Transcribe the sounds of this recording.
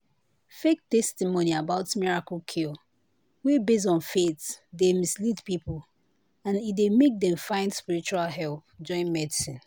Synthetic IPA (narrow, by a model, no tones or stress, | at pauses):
fek̚tɛstimoniabaʊtmiɹakəlkʰil | wibes̬ɔ̃nfetdemislitpipəl | ãnit̚demek̚dɛ̃mfãɪ̃ndspiɹit͡ʃualɦɛlpd͡ʒɔ̃ɪ̃nmɛdisĩn